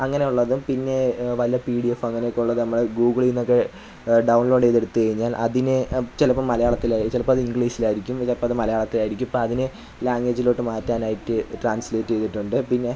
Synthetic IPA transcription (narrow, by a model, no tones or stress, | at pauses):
ɐŋːɐne̞uɭːɐðupinːe̞ʋɐlijɐpiːɽijefɐŋːɐnejokːeuɭːɐðɨnɐmːɐɭɡuːɡɐɭiinːokːe̞ | ɖɐwnlo̞ːɖejðe̞ɽut̪ːɨkɐɻiɲːaːlʔɐ̰ðinɨt͡ɕelɐpːɐmːɐlɐjaːɭɐt̪ːilat͡ɕilɐpːoɐðɨiŋɡɭiːsilaːjiɾikʲːumt͡ɕelɐpːɐmɐðɨmɐlɐjaːɭɐt̪ːilaːjiɾikʲːumɐpːoɐðinɨ | laːŋɡeːd͡ʑilo̞ːʈːɨmaːtːaːnaːjiʈːɨʈraːnsleːtːe̞jt̪ːiʈːuɳɖɨpinːe̞